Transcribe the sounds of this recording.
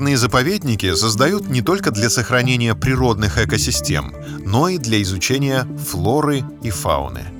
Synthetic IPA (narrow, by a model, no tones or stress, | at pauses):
nɨjəzəpɐvʲedʲnʲɪkʲɪsəzd̪ɐjut̪nʲɪt̪o̞lʲkəd̪lʲɐsəxɾɐnʲenʲɪjəpɾʲɪɾo̞d̪nɨxɛkəsʲɪsʲtʲe̞̰m | no̞id̪lʲɐɪzʊt͡ɕenʲɪjəflˠo̞ɾɨifa̰ʊ̰nɨ̰